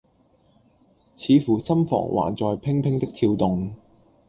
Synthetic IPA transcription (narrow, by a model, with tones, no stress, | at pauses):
t͡sʰiː˨˧fuː˨˩sɐ˥mfɔ̰ː˨˩ŋwʔa̰ː˨˩nt͡sɔː˨jpʰɪ˥ŋpʰɪ˥ŋt̪ɪ˥k̚t̪ʰiː˧wt̪ʊ˨ŋ